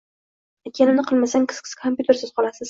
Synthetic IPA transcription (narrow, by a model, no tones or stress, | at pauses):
ekʲʰenɪmnɪqʰɨlˠmasaŋʲkʰɪ̥skʲɪ̥skʰompʲjut̪ʰe̞ɾsɪz̥qʰɒlasɪz